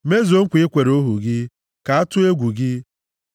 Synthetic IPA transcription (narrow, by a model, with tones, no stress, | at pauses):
me˦zo˨ŋ̩˦kʷɪ˦kʷe˨ɾo˦ɦu˨ɡɪ˦ | ka˨˦a˦tʊ˦e˦ɡʷu˨ɡɪ˦